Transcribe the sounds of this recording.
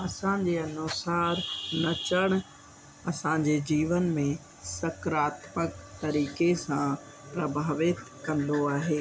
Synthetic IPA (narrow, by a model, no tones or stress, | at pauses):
ɐsãd͡ʑeːɐnoːsaːɾnɐt͡ɕəɽ̃ | ɐsãɲd͡ʑed͡ʑiːʋənmẽ | sɐkɾaːt̪məkt̪ɐɾiːkesã | pɾɐbʱaːʋɪt̪ | kɐ̃nd̪oaːɦeː